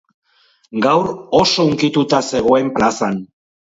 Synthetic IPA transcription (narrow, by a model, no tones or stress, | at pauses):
ɡawɾo̞so̞uŋkit̪ut̪ase̞ɣ̞o̞e̞mplasan